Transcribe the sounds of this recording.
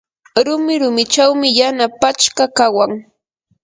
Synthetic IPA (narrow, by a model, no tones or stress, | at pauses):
ɾʊmɪɾʊmɪt͡ʃawmɪjanapat͡ʃkakawaŋ